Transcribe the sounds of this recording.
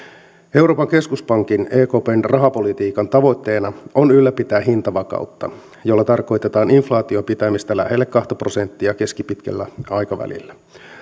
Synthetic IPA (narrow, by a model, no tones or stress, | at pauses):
e̞wɾo̞ːpɑŋke̞skuspɑŋk̟ineːko̞peːnrɑɦɑpo̞lit̪iːkɑnt̪ɑʋo̞jt̪ːe̞ːnɑo̞nylːæpit̪æːɦint̪ɑʋɑkɑ̰ut̪ːɑ | jo̞lːɑt̪ɑrko̞jt̪e̞t̪ɑːniɱflɑːt̪io̞pit̪æmist̪ælæ̰helːekːɑht̪ɑpro̞se̞nt̪ːiɑk̟e̞skipit̪k̟æ̰lːæ̰ɑjkɑʋæ̰lḭlːæ